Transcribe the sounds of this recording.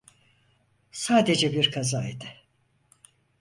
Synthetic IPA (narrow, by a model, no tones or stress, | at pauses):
saːd̪e̞d͡ʒɛbiɾkʰazaːid̪ɪ